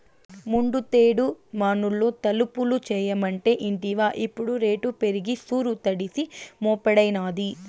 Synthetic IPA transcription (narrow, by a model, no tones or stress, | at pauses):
muɳɖut̪eːɽumaːnulːoːt̪ɐlupulut͡ʃɛːjɐmɐɳʈe̞ːʔiɳʈiʋaːʔipːuɽuɾe̞ːʈupe̞ɾiɡisuːɾut̪ɐɽisimɔːpɛɽɐjnaːd̪i